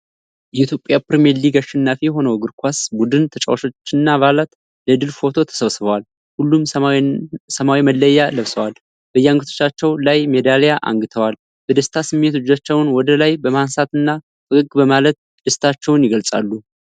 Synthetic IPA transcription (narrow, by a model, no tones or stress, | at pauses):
jɛit̪jo̞pʼːjapɾemejɛɾliɡaʃːɛnːafijɛɦo̞nəwɡɨɾkʰʷasbud̪ɨnt̪ʰət͡ʃʼə̰waʃo̞t͡ʃːɨnːaβalat̪ | ləd̪ɨlfo̞t̪ʰo̞t̪ʰə̥səβsɨβəwal | hulːum | səmawiməlːəjːaləβsəwal | b̥əɨjːaŋɡɨt̪ʰo̞̥t͡ʃːat͡ʃːɛwlajmed̪alejaʔa̰ŋɡɨt̪ʰəwal | b̥əd̪əst̪ʰasɨmːe̞t̪ɨd͡ʒat͡ʃːɛwnwɔd̪əlajbəmansat̪ɨnːa | ɨɨɡbəmalət̪̚ | d̪əst̪ʰat͡ʃːɛwnjɪɡəlsʼa̰lːu